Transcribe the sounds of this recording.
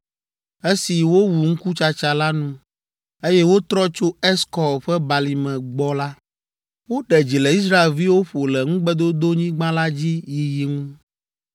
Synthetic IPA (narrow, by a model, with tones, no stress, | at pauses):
e˦si˨wo˦wu˨ŋ̩˦ku˦t͡ʃa˨t͡ʃa˨la˦nũ˦ | e˦jɛ˦wo˦t̪ɾɔ˦t͡ʃo˦ɛ˦skɔ˨wɸɛ˦ba˨li˨mɛ̃˨ɡ͡bɔ˦la˦ | wo˦ɖɛ˨d͡ʑi˨lɛ˨i˦s̬ɾa˦e˨lvi˦wo˦ɸo˨lɛ˨ŋũ˦ɡ͡bɛ˦d̪o˦d̪o˦ɲĩ˦ɡ͡bã˦la˦d͡ʑi˦ji˨ji˨ŋũ˦